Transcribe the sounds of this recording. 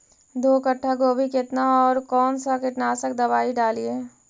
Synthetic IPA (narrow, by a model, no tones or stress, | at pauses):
d̪oːkəʈʰːakoːbʱikɪt̪naɔːɾkɔːnsakɪt̪naːsək̚d̪ɐbaːiɖaːlieː